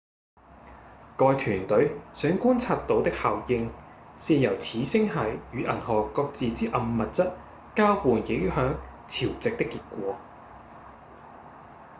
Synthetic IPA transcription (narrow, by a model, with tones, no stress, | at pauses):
kɔː˧jt̪ʰyː˨˩nt̪ɵ˨˥ɥsœː˨˥ŋkuː˥nt͡sʰaː˧t̚t̪o˨˧wt̪ɪ˥k̚haː˨wjɪ˧ŋsiː˧jɐ˨˩wt͡sʰiː˨˥sɪ˥ŋɦɐ˨˥jjyː˨˥ʔɐ̰˨˩nhɔː˨kɔː˧k̚t͡siː˨t͡siː˥ʔɐ˨mːɐ˨t̚t͡sɐ˥t̚ | kaː˥wuː˨njɪ˨˥ŋ˥hœː˨˥ŋ | t͡sʰiː˨˩wt͡sɪ˨k̚t̪ɪ˥kːiː˧t̚kʷɔː˨˧